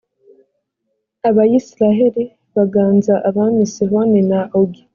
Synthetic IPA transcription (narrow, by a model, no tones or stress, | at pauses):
aβajisiɾaɦeɾi | βaɡaːnzaʔaβaːnisiβonenaʔoɡi